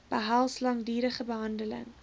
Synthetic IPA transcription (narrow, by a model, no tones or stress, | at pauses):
b̥əɦælˠslɑŋdiːɾəχəbəɦɐndələ̰ŋ